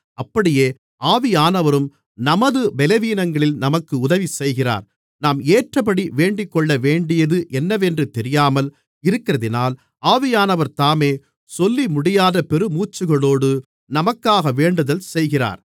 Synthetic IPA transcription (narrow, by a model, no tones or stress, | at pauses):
ɐpːɐɽɪjeː | ʔaːʋɪjaːnɐʋɐɾɯm | nɐmɐðɯbɛlɛʋiːnɐŋɡɐɭɪlnɐmɐkːɯʊðɐʋisɛjɣɪra̰ːɾ | naːmeːʈrɐpɐɽiʋeːɳɖɪkːɔɭːɐʋeːɳɖɪjɐðɯʔɛnːɐʋɛndrɯt̪ɛɾɪjaːmɐl | ɪɾɯkːɪrɐðɪnaːl | aːʋɪjaːnɐʋɐɾt̪aːmeː | sɔlːimʊɽɪjaːðɐpɛɾɯmuːt͡ʃːɯɣɐɭoːɽɯ | nɐmɐkːaːɣɐʋeːɳɖɐðɐlsɛjɣɪra̰ːɾ